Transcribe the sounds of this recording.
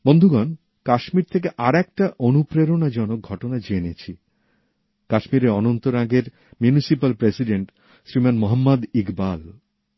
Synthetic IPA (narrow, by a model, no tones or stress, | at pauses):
bond̪ʱuɡan | kaʃmiɾt̪ʰek̬eʔaɾɛk̚ʈaʔonupɾeɾonad͡ʑɔnok̚ɡʱɔʈonad͡ʑeenet͡ɕʰi | kaʃmiɾeɔnont̪oɾaɡeɾ | mjunisipalpɾesiɖeɳʈ | sɾimanmoɦamːad̪ikbal